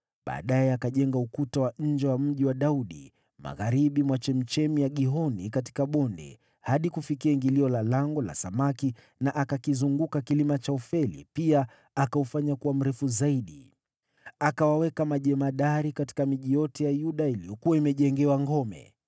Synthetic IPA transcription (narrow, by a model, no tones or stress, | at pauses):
ɓa̰ːɗajɛakaʄɛŋɡaukutawaɲ̩d͡ʒɛwam̩ʄiwaɗauɗḭ | ma̰ɣaɾiɓimwat͡ʃɛm̩t͡ʃɛmijaɠiɦɔnikati̥kaɓɔndɛ̰ | haɗikufikiaŋɡiliɔlalaŋɡɔla̰samaki | naʔakakizuŋɡukakilimat͡ʃaufɛlḭpia | akaufaɲakuwam̩ɾɛfuzaiɗi | akawawɛkamaʄɛmaɗaɾikati̥kamiʄijɔtʰɛjajuɗailijɔkuwaimɛʄɛŋɡɛwaŋɡɔmɛ̰